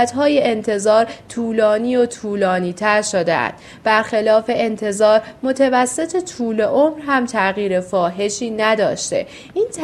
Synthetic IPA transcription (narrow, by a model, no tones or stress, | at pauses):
æt̪ɦɒːjeʔent̪ʰe̞zɒːɾt̪ʰuːlɒːniːot̪ʰuːlɒːniːt̪ʰæɾʃod̪ḛʔæ̰nd̪̥ | b̥æɾxelɒːfe̞ʔent̪ʰe̞zɒːɾmot̪ʰevæsːe̞t̪ʰet̪ʰuːle̞ʔomɾɦæmt̪ʰæɣiːɾe̞fɒːɦe̞ʃiːnæd̪ɒ̰ːʃt̪e̞̰ | ʔiːnt̪